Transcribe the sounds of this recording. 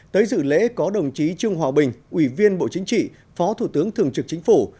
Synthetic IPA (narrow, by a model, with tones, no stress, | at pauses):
t̪əː˨˦jzɨ̰˧˨lḛ˧˥kɔ˨˦ɗə˨˩wŋ͡mt͡ɕi˨˦t͡ɕɨ˧əŋɦwaː˨˩ɓï˨˩ŋ̟ʔwi˧˩vi˧ənɓo̰˧˨t͡ɕï˨˦ŋ̟t͡ɕḭ˧˨ | fɔ˨˦t̪ʰu˧˩t̪ɨ˨˦əŋt̪ʰɨ˨˩əŋt͡ɕɨ˨˩k̚t͡ɕï˨˦ŋ̟fu˧˩